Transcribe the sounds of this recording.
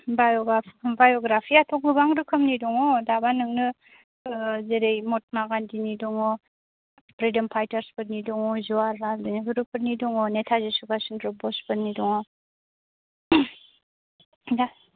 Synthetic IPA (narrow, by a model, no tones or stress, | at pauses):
bajoɡbajoɡɾapʰiatʰɔk̚ɡɯbaŋɾɯkʰɯmnidɔŋɔdabanɯŋnɯ | zeɾejmɔt̚maɡandinidɔŋɔ | bɾidempʰajtɐɾspɯɾnidɔŋɔzuaɾːaldɯnibɯɾɯpʰɯɾnidɔŋɔnetʰazesukasɯntɾɔbɔspɯɾnidɔŋɔ | da